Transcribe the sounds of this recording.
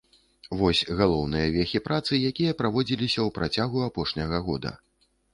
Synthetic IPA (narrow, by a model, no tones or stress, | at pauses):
vɔsʲɣalˠɔwnɨjɐvʲɛxʲipɾat̪sɨjakʲijɐpɾavɔd͡zʲilʲisʲɐwpɾat͡sʲaɣuapɔʂnʲɐɣɐɣɔ̰d̪ɐ̰